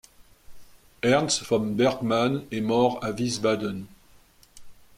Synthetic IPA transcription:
ɛʁnsfɔmbɛʁkmanɛmɔʁavisvad̪ən

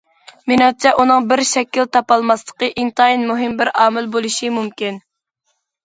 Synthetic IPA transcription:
minɑt͡ʃʰɛʔunɨŋbɪɾʃɛkʲːilt̪ʰɑpɑlˠmɑslˠə̥qəʔɪŋt̪ʰɑinmuɦɪmbɪɾɑːmɪlbolˠuʃimumkʲin

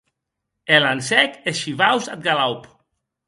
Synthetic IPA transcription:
elansɛkeʃiβawsat̪̚ɡalawp

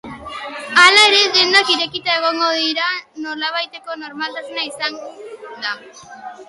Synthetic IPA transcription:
alaeɾeðend̪akiɾe̞kit̪ae̞ɣ̞o̞ŋɡo̞ðiɾano̞ɾlaβ̞ajt̪e̞ko̞no̞ɾmalt̪asenaisaŋd̪a

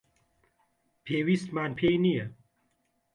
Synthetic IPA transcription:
pʰeːwismaːnpʰeniɐ

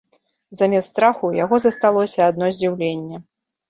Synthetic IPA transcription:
zamʲɛst̪ɾaxujaɣɔzɐst̪alˠɔsʲɐːd̪̚nɔzʲd͡zʲiwlʲenʲːɛ

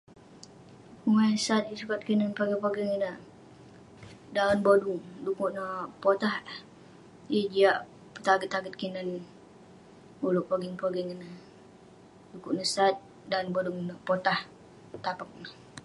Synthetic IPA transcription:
uŋajsat̪̚isukat̪̚kinanpaɡiŋpaɡiŋəna | daənboduŋdukuʔnapot̪aha | jəd͡ʒiaʔ | pə̥t̪aɡət̪ːaɡət̪̚kinan | boluʔpaɡiŋpaɡiŋəna | dukuʔnəsat̪̚ | danboduŋnaʔpot̪ah | t̪apak̚nə

